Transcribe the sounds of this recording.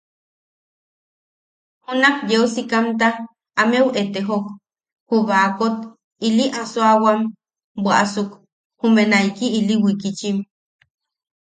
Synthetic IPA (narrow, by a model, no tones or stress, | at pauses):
hunahjeusikamt̪a | amewet̪eɦok | huβakot̪ | iliʔasoawam | bʷaʔasuk | humenajkiːliwikit͡ʃim